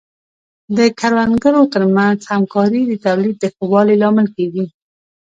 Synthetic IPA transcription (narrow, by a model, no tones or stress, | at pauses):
d̪əkaɾwanɡəɾot̪əɾmanzhamkɑɾid̪ət̪awlid̪̚d̪əxəwɑlelɑmɪlkeɡi